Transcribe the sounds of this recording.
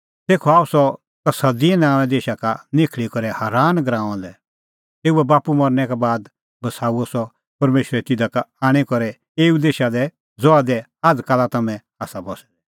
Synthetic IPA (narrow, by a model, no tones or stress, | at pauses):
t̪eːkʰɔaːusɔ | t̪ɐsɐd̪iɛnãːɛ̃d̪eːʃakanɪkʰɭikɔɾɛhaːɾaːnɡɾãːɔ̃ːnd̪ɛ | t̪eːuɛbaːpumɔɾnɛkabaːd̪ | bɐsaːuɔsɔ | pɐɾmeːʃɾɛt̪ɪd̪akaaːɽ̃ikɔɾɛ | eːud̪eːʃad̪ɛ | zɔad̪ɛ | ad̪kaːlat̪ɐmɛ̃ | aːsabɔsɛd̪ɛ